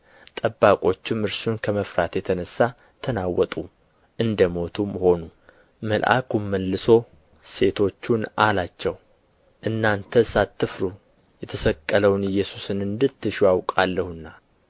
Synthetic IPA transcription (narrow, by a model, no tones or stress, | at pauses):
t̪ʼəbːakʼo̞t͡ʃːɪmɨɾsunkʰəməfɾat̪jɛt̪ʰənəsːa | t̪ʰənawːɔt̪ʼu | ʔɨnd̪əmo̞t̪ʰumho̞nu | məlʔa̰kumːəlːɨso̞ | se̞t̪ʰo̞t͡ʃːunalat͡ʃːɛw | ʔɨnːant̪ʰəsat̪ʰːɨfɾu | jɛt̪ʰəsəkʼːələwnɨjːɛsusɨnɨnd̪ɨt̪ːɨʃjawkʼalːəhunːa